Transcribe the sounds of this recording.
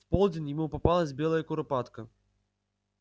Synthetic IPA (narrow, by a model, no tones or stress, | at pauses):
t̪pɔlˠd͡zʲɪnjɪmupɐpalˠɐzʲbʲɛlˠɐjɐkʊɾɐpat̪kɐ